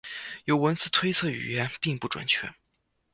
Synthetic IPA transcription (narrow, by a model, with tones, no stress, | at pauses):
jo˨˧˥ʊwə˧˥nt͡sɹ̩˥˩t̪ʰwe˥ɪt͡sʰɤ˥˩y̰˨˩jɛ˧˥npi˥˧ŋpu˥˩ʈ͡ʂwa̰˨˩nt͡ɕʰɥɛ˥n